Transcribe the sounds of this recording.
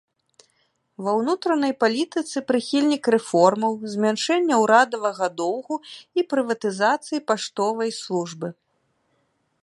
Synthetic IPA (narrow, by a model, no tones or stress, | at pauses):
vɐwnut̪ɾɐnɐjpalʲit̪ɨt̪sɨpɾɨxʲilʲnʲikɾɛfɔrmɐwzʲmʲanʂɛnʲːɐwɾad̪ɐvɐɣɐd̪ɔwɣuipɾɨvɐt̪ɨzat̪sɨjipaʂt̪ɔvɐjslˠuʐbɨ